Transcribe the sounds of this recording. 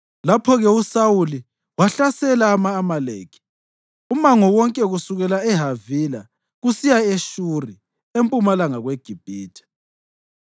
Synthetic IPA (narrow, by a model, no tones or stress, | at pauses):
lapʰɔɣɛusawuli | waɬasɛlaːmaːmaleːkʰi̥ | umaŋɔwɔŋkʼɛɣusuɣɛlaɛɦavila | ɣusijaeʃuri | empʼumalaŋaɣweɡ̥ʱib̥ʱiːtʰɛ̥